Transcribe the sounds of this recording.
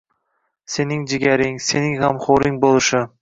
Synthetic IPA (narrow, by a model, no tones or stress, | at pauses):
se̞nɪŋd͡ʒɪɡʲaɾɪŋse̞nɪŋhamχoɾɪŋbolˠɪʃɪ